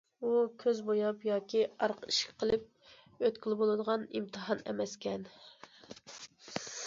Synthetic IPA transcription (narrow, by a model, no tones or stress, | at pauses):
ukʲʰøzbojɑpjɑːkʲʰiɑɾqʰəiʃkʲʰɛ̥qʰəlˠɨp̚ | øt̪kʲilˠɪbolˠɨd̪əʁɑnimt̪ʰɨɦɑnɛ̰mɛskʲɛn